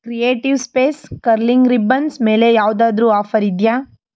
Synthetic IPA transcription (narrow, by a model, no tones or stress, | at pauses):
kɾijeːʈiʋspeːskɐɾliŋɡɾibɐnsme̞ːlejaːʋd̪aːd̪ɾuːaːfɐɾid̪jaː